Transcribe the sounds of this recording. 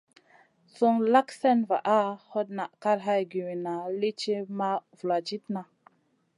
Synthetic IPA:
so˦ŋla˦ksɛ˦nva̰˨ʔa˦ho˦t̚na˨ʔka˦ɾɦa˧jɡi˨wi˨na˨li˦t͡ʃe˦ma˦vu˨la˨d͡ʒi˦tna˨

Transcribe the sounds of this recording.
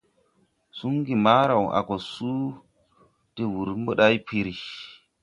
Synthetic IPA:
su˦ŋɡi˨ma˦ɾa˨wʔa̰˨ko˨su˦ | te˨wu˨ɾmbo˦ɗa˦jpʰi˦ɾi˨

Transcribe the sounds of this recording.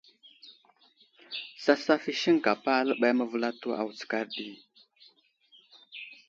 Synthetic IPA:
sa˦sa˦fi˦ʃi˦ŋka˨pa˦lə˦ɓa˦jmə˦və˦la˦tu˦a̰˨wu˨t͡sə̥˨ka˦ɾɗi˦˨

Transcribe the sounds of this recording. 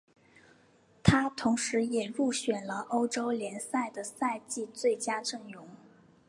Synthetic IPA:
t̪ʰa˥t̪ʰʊ˧˥ŋʂɻ̩˧˥jɛ˨˩ɻu˥˩ɕɥɛ˨˩nlə˦ʔo˥ʊʈ͡ʂo˥ʊljɛ˧˥nsa˥˩ɪd̪ə˩sa˥˧ɪt͡ɕi˥˧t͡swe˥˩ɪt͡ɕja˥ʈ͡ʂɤ˥˩ŋjʊ˧˥ŋ

